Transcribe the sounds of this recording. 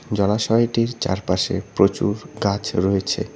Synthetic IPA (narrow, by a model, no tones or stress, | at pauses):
d͡ʑɔlaʃɔjʈiɾt͡ɕa̰ɾpaʃḛpɾot͡ɕṵɾɡat͡ɕʰɾoet͡ɕʰḛ